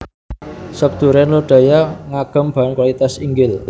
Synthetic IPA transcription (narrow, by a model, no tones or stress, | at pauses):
sək̚d̪̥ṳɾɛnluɖ̥a̤jaŋaɡ̥ə̤mb̥a̤nkwalit̪asiŋɡɪl